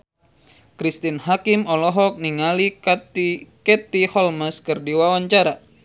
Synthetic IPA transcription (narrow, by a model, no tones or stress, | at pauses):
kɾist̪inɦakimɔlɔɦɔk̚niŋali | kɛt̪ihɔlməskɨrdiwawaɲt͡ʃaɾa